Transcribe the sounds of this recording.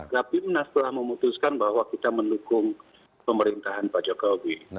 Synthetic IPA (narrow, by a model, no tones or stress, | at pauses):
kapimnast̪əlahməmut̪uskanbahwakit̪aməndukʊŋ | pəməɾint̪aɦanpad͡ʒokowi